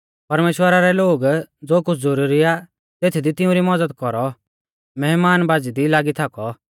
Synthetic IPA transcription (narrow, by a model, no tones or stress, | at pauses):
pɐɾmeːʃwəɾaɾɛloːɡd͡zoːkʊt͡sʰd͡zɔɾuːɾia | t̪eːt̪ʰid̪it̪ɪʊ̃ɾimɐd͡zəd̪kɔɾɔ | mɛɦmaːnbaːd͡zid̪ilaːɡit̪ʰakɔ